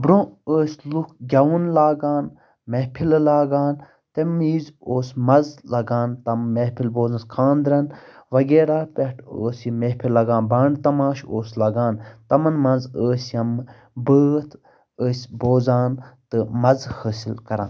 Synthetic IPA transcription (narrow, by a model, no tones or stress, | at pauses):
bɾõːəːsʲlukʰɡʲɐwunlaːɡaːn | meɦpʰillaːɡaːn | t̪ɐmiːzoːsmɐzlɐɡaːnt̪ɐmmehpʰilboːzɐnskʰãːnd̪ɾɐnʋɐɡeːɾaːpeʈʰə̰ːsimepʰilːɐɡãːnbaːɳɖt̪ɐmãːʃoːslɐɡaːnt̪ɐmɐnmɐnzəːsjɐm | bəːt̪ʰ | əːsʲboːzaːnt̪ɨmɐzhəːsilkɐɾa̰ːn